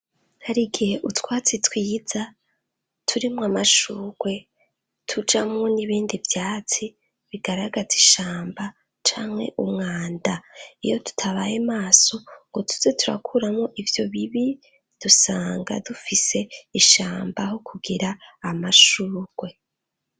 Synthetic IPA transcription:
haɾiɡihe̞ʔutwaːt͡sitwiːza | tʰuɾimŋamaʃuːɡ̥we̞ | tʰud͡ʒamŋo̞niβiːndivjaːt͡si | βiɡ̥aɾaɡaziʃaːmba | t͡ʃaːmhe̞̰ʔumŋaːndaijo̞tu̥tʰaβajemaːso̞ŋɡotʰu̥zetʰuɾa̰kʰuɾamŋoʔivjo̞βiβi | d̥usaːŋɡa̰dufise̞iʃaːmbahokʰuɡiɾaːmaʃuːɡ̥we̞

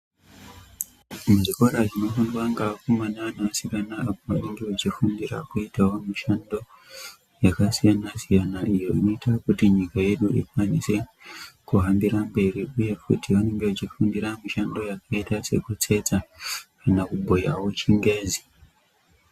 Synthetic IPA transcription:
muʐiko̞ɾaʐino̞fundwaŋɡakumananaʋasikanaapoaneŋɡe̞ut͡ʃifundira̰kuitawo̞miʃando̞ | jakasijanasijanaʔijo̞ino̞itakutiɲikaje̞ɗuʔḭkwanise̞kuɦambiɾambe̞riuje̞kṵtiʋane̞ŋɡe̞ut͡ʃifundiɾamiʃando̞jakaitase̞̰kut͡se̞t͡sakanakubʱo̞jawo̞t͡ʃiŋɡe̞ːzi

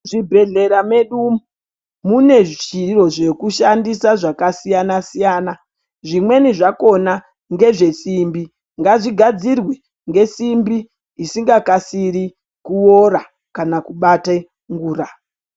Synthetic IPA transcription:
ʐibʱe̞ɮe̞ɾame̞ɗumu | mune̞ʐt͡ʃiro̞ʐe̞kuʃandisaʐakasijanasijaːna | ʐimwe̞niʐako̞na | ŋɡe̞ʐe̞simbi | ŋɡaʐiɡʱad͡zirwi | ŋɡe̞simbi | isiŋɡakasiɾi | kuoɾa | kanakuɓate | ŋɡuːra

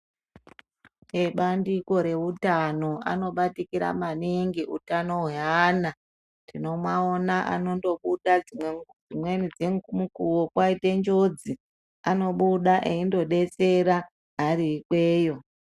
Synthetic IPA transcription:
eɓandiko̞ɾe̞utano̞a̰no̞ɓatikiɾa̰maniŋɡiutano̞ɦana | tino̞mwaonaʔa̰no̞ndo̞ɓuɗaied͡zimwenid͡zeŋmukuwokwaite̞nd͡ʒo̞d͡zi | ano̞ɓuɗaʔeindo̞ɗe̞t͡se̞ɾa | ɦaɾiːkweːjo̞

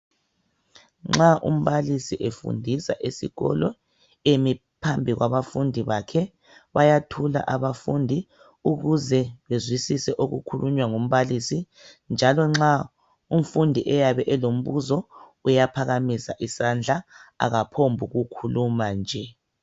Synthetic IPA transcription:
ŋ͡ǁaʔṵm̩βalisiʔefṵndʱisa̰ʔesḭɣɔ̰lɔ | emi | pʰambʱiɣwaβafundʱiβakʰɛ | βajatʰula̰ʔaβafundʱi | uɣuzɛβezwisisɛʔoɣukʰuluɲwaŋom̩βalisi | nd͡ʒʱalɔŋ͡ǁa | um̩fundʱiʔɛjaβɛʔɛlom̩βuzɔ | ujapʰaɣamisa̰ʔisand͡ɮʱaa̰ɣapʰombʱuɣukʰulumand͡ʒʱɛ

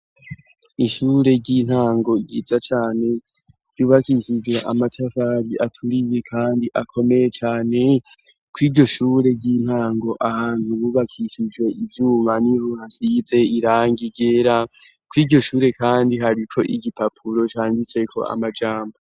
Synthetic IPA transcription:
iʃuːɾe̞ɟiːn̥haːŋɡo̞ɡiːzat͡ʃaːne̞ | ɟ̥juːβakiʃid͡ʒɡwe̞ʔa̰matʰafaɾiʔatʰuɾiβekʰaːndiʔakʰo̞me̞je̞t͡ʃaːne̞ | kwiːdɟo̞ʃuːɾe̞ɟin̥haːŋɡo̞ʔahaːn̥huβuβakʰiʃid͡ʒɡwe̞ʔivjuːmanivuhasize̞iɾaːŋɡiɡe̞ːɾa | kwiːɟo̞ʃuːɾe̞kʰaːndiɦaɾikʰo̞ʔiɡipapʰuɾo̞t͡ʃaːŋɡit͡se̞kʰo̞̰a̰mad͡ʒaːmbo

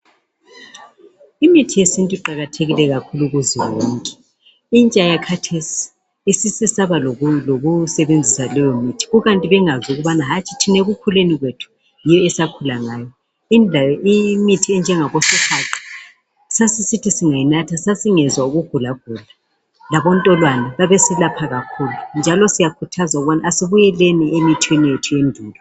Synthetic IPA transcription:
imitʰijesintʼuiǃaɣatʰeɣilɛɣakʰuluɣuziwoːŋkʼɛ̥ | int͡ʃʼajakʰatʰesi̥ | isisisaβaloɣusɛβend͡zʱisalɔjomitʰi̥ɣuɣantʼiβɛŋazuɣuβanaɦat͡ʃʼi̥tʰineɣukʰuleniɣwetʰu̥ | jijɔɛsakʰulaŋaːjɔ | inimitʰiɛnd͡ʒʱɛŋaɣosikʰaǃi̥ | sasisitʰisiŋajinatʰasasiŋɛzwauɣuɡ̥ʱulaɡ̥ʱula | laβɔntʼɔlwanaβaβesilapʰaɣakʰuːlund͡ʒʱalɔsijakʰutʰazauɣβanaːsiβujɛleniemitʰwenijetʰujendʱuːlɔ

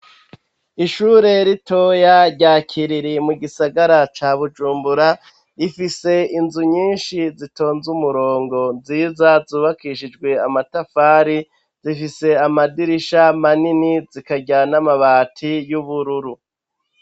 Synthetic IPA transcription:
iʃuːɾe̞ɾito̞jaɾɟaːkʰiɾiɾimuɡisaɡaɾat͡ʃaːβud͡ʒuːmbuɾa | ifise̞inzuɲiːnʃizito̞ːnzumuɾo̞ːŋɡo̞nziːzazuːβakiʃid͡ʒɡwe̞amatafaːɾi | z̥ifise̞amadiɾiʃamaninizikaɟanamaβaːtʰijuβuɾuɾu

